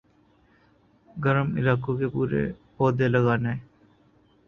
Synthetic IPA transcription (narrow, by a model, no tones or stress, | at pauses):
ɡəɾəmɪ̰laːkõkepuːɾḛpoːd̪eləɡaːne